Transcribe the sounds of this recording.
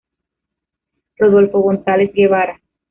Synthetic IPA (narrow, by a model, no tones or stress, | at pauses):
roðolfoɣonsalesɡeβaɾa